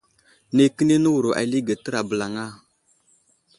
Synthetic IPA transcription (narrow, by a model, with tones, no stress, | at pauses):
ne˨kə˦ne˦nə˦wu˨ɾo˨ʔa̰˨li˦ɡa˨tə˦ɾa˨bə˨la˨ŋa˦˨